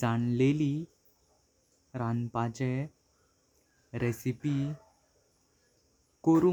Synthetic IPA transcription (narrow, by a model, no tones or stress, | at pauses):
d͡zaɳleli | ɾanpat͡ɕe | ɾesipi | koɾu